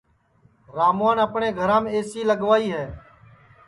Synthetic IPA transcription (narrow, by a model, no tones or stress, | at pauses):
ɾaːmaːnəpɳẽːɡʱəɾãːmeːeːsiːləɠʋaːiːɦɛː